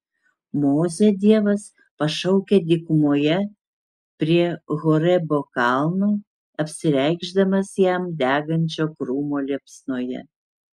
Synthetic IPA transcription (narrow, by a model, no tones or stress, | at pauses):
moːzʲɛd̪ʲiɛʋɐs | pɐʃɐʊkʲed̪ʲɪkmoːjɛ | pʲɾʲiɛɣoːɾɛboːkɑlˠmoː | ɐpʲsʲɪɾʲɛɪɡʒd̪ɐmɐsjɛmd̪ʲæːɡɐnʲt͡ʃʲoːkɾuːmoːlʲiɛpsnuːjɛ̰